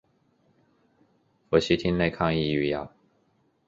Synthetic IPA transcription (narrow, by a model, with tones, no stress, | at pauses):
fɔ˧˩ɕi˥t̪ʰi˥nne˥˧ɪkʰɑ˥˧ŋi˥˧y˧˩ja̰˨˩